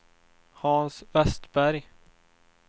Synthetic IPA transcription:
hɑnsvɛst̪bæɾj

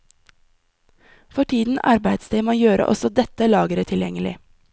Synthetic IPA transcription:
fɔʈʰiːd̪n̩ʔɑ̰ɾbæɪd̪st̪eːmoːjøːɾʔə̰ʔɔ̰sɔd̪ɛt̪əlɑːɡəɾət̪ʰɪljɛŋəlɪ̰

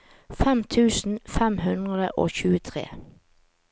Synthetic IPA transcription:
fɛmt̪ʰʉːsn̩fɛmhʉnd̪ʁəd̪əʔo̰ːçʉːət̪ʰʁḛː

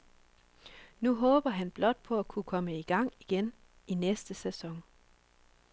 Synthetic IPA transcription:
nuɦɔ̽ːb̥ɐɦænb̥lɒ̽d̥̚pʰɒ̽ækʰukʰɒ̽məiɡ̥ɑ̈ŋ̰iɡ̥en | inesd̥əsesɒ̽ŋ

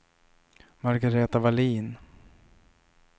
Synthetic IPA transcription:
maɾɡaɾeːt̪avaliːn

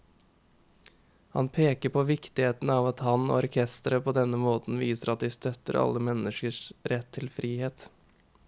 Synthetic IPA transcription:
hɑ̰npʰeːkəpʰoːʋɪkt̪ɪheːt̪nəɑːʋɑt̪hɑno̰ːɔɾkʰɛst̪əɾəpʰoːd̪ɛnːəmoːt̪n̩ʋiːsəɾɑt̪̚d̪ɪst̪œt̪ːəɾɑ̰lːəmɛnːəʂkəʂɾɛt̪ʰːɪlfɾiːheːt̪

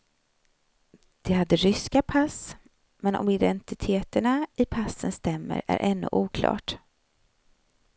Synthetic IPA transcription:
d̪̥ɛhad̪ːəɾʏskapʰas | mɛnɔ̰mɪd̪ɛnt̪ɪt̪ʰeːt̪əɳaɪpʰasːənst̪ɛmːə̰ɾæ̰ɾʔɛnːɵ̰ʔuːkʰlɑ̰ːʈ

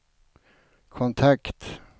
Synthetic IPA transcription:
kʰɔnt̪ʰakt̪

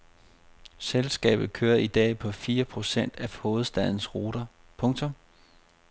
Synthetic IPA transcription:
selsɡ̥ɛ̰ːb̥ð̩ˠkʰøːɐid̥ɛ̰ːpʰɒ̽fiːɐpʰʁo̝sen̰d̥æhoːð̩ˠsd̥æð̰ˠn̩sʁo̝̰ːd̥ɐ | pʰɔ̽ŋt͡sʰɔ̽m

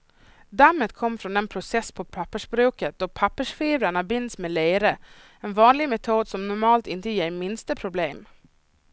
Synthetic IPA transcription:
d̪amːət̪kʰɔmːfɾɔnɛnpʰɾʊsɛsːpʰɔpʰapːəʂbɾʉ̟ːkət̪̚d̪̥ɔpʰapːəʂfiːvɾaɳabɪnd̪smeːleɪɾə | ɛnvɑːnlɪɡmɛt̪ʰuːd̪sɔmnʊɾmɑːlt̪ɪnt̪əjeːɾmɪnst̪əpʰɾʊbleːm

